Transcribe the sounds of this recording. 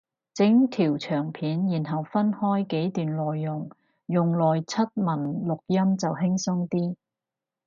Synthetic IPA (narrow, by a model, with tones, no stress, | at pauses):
t͡sɪ˨˥ŋt̪ʰiː˨˩wt͡ʃʰœː˨˩ŋpʰiː˨˥njiː˨˩nɦɐ˨wfɐ˥nhɔː˥jke˨˥jt̪yː˨˩nlɔː˨jːʊ˨˩ŋ | jʊ˨ŋlɔː˨jt͡sʰɐ˥t̚mɐ˨˩nlʊ˨k̚jɐ˥mt͡sɐ˨wɦɪ˥ŋsʊ˥ŋt̪iː˥